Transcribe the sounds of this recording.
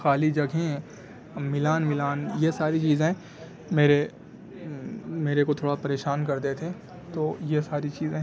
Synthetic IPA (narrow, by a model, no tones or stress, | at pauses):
xaːlid͡ʒɐɡʱẽ | mɪlaːnmɪlaːnjesaːɾit͡ʃiːzẽɦɛ̃ | meːɾe | meːɾekot̪ʰoːɽapɐɾeːʃaːnkɐɾd̪eːt̪ʰẽ | t̪oːjesaːɾit͡ʃiːzẽ